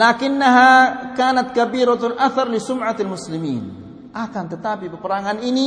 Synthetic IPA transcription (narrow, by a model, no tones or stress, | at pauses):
laːkɪnːaɦakaːnat̪̚kabiɾalʔaθɑrˤlɪsʊmʕaalmʊslɪmḭːn | ʔakant̪ət̪apipəpəɾaŋanini